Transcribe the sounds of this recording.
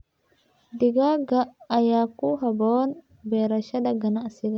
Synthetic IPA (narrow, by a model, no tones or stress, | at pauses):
d̪ɪɡaːɡɐɐjaːkːuɦɐboːn | beːɾɐʃɐd̪ɐɡɐnɐʔɐsɪd̪ɐ